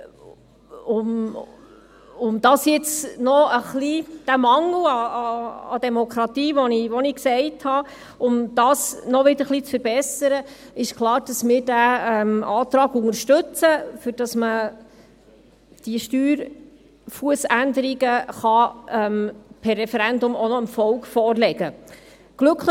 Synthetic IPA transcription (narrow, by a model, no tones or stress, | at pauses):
ʊm | ʊmd̥̪ɑsjɪt͡snɔəχlid̥æmɑŋl̩ɑ̰ː | d̪ɛmɔkʰɾɑt̪iːʋɔniʋɔniksɛɪthɑ | ʊmd̪̥ɑsnɔʋɪd̪əɾχlˠit͡sfəɾbɛsəɾəɪʃkʰlˠɑːɾd̥ɑsmɪːɾdæɛmɑːt̪ɾɑːɡʊŋəɾʃtɵt͡səfʏɾd̥ɑsmə | d̥iəʃtyːɾ | fuəsændəɾiɡəχɑɛmpʰɛrːɛfɛɾænd̪ʊmonɔɪmfɔlkfɔːrlɛɡə | ɡ̥lɵkʰ